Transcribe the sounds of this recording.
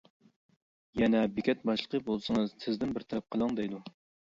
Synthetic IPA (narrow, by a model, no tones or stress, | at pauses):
jɛnɛbekʲɛt̪̚bɑʃlˠəqʰəbolˠsɨŋəzsʰɪzd̪ɪnbɪɾt̪ʰɛɾɛp̚qʰəlˠɑŋd̪ejd̪u